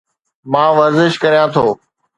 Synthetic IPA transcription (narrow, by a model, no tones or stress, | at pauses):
mãːʋəɾzɪʃkəɾjãːt̪ʰoː